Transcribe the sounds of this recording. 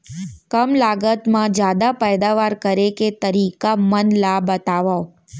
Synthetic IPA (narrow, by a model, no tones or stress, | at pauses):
kəmlaɡət̪mãd͡ʒjad̪apɛjd̪aʋaɾkəɾeket̪əɾikamənlabət̪aʋao